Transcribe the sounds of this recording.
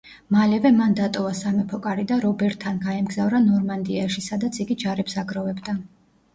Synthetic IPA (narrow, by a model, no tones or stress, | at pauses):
malɛvɛmand̪at̪ʼɔvasamɛpʰɔkʼaɾid̪aɾɔbɛɾt̪ʰːanɡaɛmɡzavɾanɔɾmand̪iaʃisad̪at̪sʰiɡid͡ʒaɾɛpsaɡɾɔvɛbd̪a